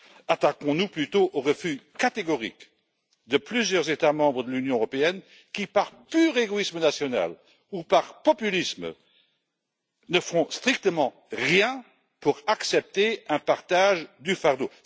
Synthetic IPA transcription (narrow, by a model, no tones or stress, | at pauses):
at̪akɔ̃nuplyt̪oʔoʁəfykat̪eɡɔʁḭk | d̪əplyzjœʁzet̪amɑ̃bʁəd̪əlynjɔ̃øʁɔpeɛn | kipaʁpyːʁeɡoismənasjɔna̰l | upaʁpɔpylism | nəfɔ̃st̪χik̚t̪əmɑ̃ | ʁjɛ̃ | puʁaksɛp̚t̪eɛ̃paʁt̪aʒd̪yfaʁd̪o